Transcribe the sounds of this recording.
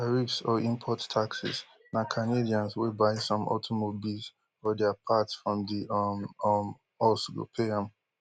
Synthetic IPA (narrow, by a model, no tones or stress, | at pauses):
aɹifsɔĩmpʰɔttʰːaksḭs | nakʰanediãnswebaɪsɔ̃mɔ̰tʰomobilz | fɔdɛapʰatsfɹɔ̃mdi | m | ɔsɡo̰pʰeãm